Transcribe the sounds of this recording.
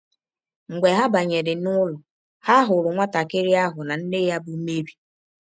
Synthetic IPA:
ŋ̩˨ɡ͡be˨ɦa˦ba˨ɲe˨ɾɪ˨nʊ˦lʊ˨ | ha˦ɦʊ˨ɾʊ˨ŋʷa˦ta˨kɪ˦ɾi˦a˦ɦʊ˨na˨n̩˦nɪ˦ja˦bu˦me˦ɾi˦

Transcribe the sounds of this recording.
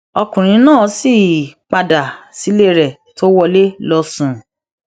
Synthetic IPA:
ɔ˧kũ˨ɾ̃ĩ˨˧˦nãː˦˨˦si˦˨k͡pa˧da˨si˨˦le˦ɾɛ˨ | to˦wɔ˧le˦lɔ˧sũ˨

